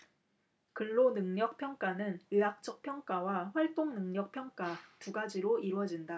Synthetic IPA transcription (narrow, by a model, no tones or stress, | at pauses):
kɯɭːonɯŋɲʌk̚pʰjʌŋk͈anɯnɯɦak̚t͡ɕ͈ʌk̚pʰjʌŋk͈awaɸwaɭt͈oŋnɯŋɲʌk̚pʰjʌŋk͈atuɡad͡ʑiɾoiɾwʌd͡ʑinda